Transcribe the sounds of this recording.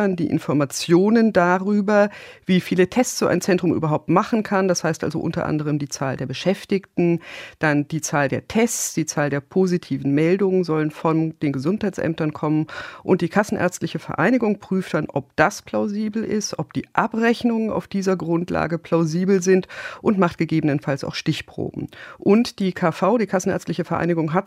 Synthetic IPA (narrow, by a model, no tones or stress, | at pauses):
andḭːʔɪ̰nfɔɐmat͡sjoːnəndaːʁyːbɐviːfiːlətʰɛst͡sz̥oːʔa̰ɪnt͡sɛntʁ̥ʊmʔy̰ːbɐɦaʊp̚tmaχn̩kʰand̥ashaɪstʔa̰lzo̰ʔʊ̰ntɐ̰ʔa̰ndəʁ̞əmdiːt͡sa̰ːldeːɐbəʃɛftɪktn̩d̥and̥iːt͡saːldeːɐtʰɛst͡sd̥iːt͡saːldeːɐpʰozitʰiːvn̩mɛldʊŋənzɔlənfɔnd̥eːnɡəzʊnthaɪt͡ssʔɛ̰mtɐnkʰɔmənʔʊnt̚d̥iːkʰasn̩ʔɛ̰ɐt͡stlɪçəfɛɐʔaɪnɪɡʊŋpʁ̥yːftd̥anʔɔp̚d̥aspʰl̥aʊziːbl̩ɪ̰stʔɔp̚d̥iːʔapʁɛçnʊŋəna̰ʊfd̥iːzɐɡʁʊntla̰ːɡəpʰl̥aʊziːbl̩zɪntʔʊntmaχtɡ̥əɡeːbənənfalsa̰ʊxʃtɪçpʁ̥o̰ːbm̩ʔʊntd̥iːkʰaːfaʊdiːkʰasn̩ɛ̰ɐt͡sstlɪçəfɛɐʔa̰ɪnɪɡʊŋɦat